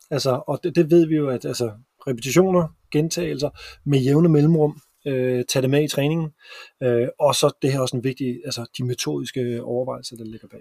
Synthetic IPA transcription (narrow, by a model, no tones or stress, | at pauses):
ælsəɒ̥̽d̥e̝ʋe̝ð̞̰ˠʋijo̝æd̥ælsə | ʁɛpʰe̥t͡sʰiɕo̝̰ːnɐ | ɡ̥ent͡sʰɛ̰ːɪl̩sɐmejeʊnəmelm̩ʁɔ̽m̰ | øt͡sʰæd̥emeit͡sʰʁɛːne̝ŋn̩øɒ̽sɒ̽d̥ehæ̰ɐɒsenʋe̝ɡ̥̚d̥iælsəd̥ime̝t͡sʰo̝̰ːð̞ˠisɡ̥əɒʊɐʋɑ̈ɪ̰l̩sɐd̥ɑ̈le̝ɡ̥ɐb̥ɛ